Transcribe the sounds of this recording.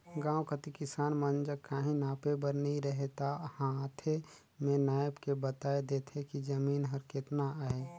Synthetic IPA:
ɡãːwkət̪ikɪsaːnmənd͡ʒəkːaːɦĩnaːpebəɾnəɦĩɾəɦet̪ahãt̪ʰe | mẽnaːjbkebət̪aːed̪eːt̪ʰekid͡ʒəmiːnɦəɾket̪naɦɛ

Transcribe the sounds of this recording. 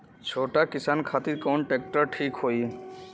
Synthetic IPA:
t͡ʃʰoːʈakɪsaːnkʰat̪iɾkɔːnʈeːk̚ʈəɾʈʰiːkɦoːi

